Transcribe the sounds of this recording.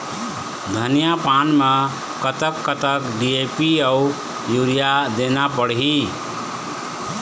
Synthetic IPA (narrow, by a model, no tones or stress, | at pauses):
d̪ʱənijapanme | kət̪əkːət̪əkɖiepiəu | juɾijad̪enapəɽɦi